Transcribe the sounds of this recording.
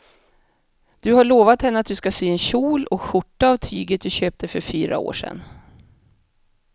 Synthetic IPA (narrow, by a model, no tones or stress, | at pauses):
d̪̥ɵhaɭoːvat̪hɛnːəat̪̚d̪ɵskasyːɛnɕuːlɔkɧʊʈːaːvt̪ʰy̰ːɡət̪̚d̪ɵɕøːp̚t̪ʰəfœɾfyːɾa̰o̰ːʂɛ̰nː